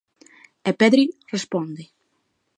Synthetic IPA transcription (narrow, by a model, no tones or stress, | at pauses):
ɛpɛd̪ɾirəspɔnd̪i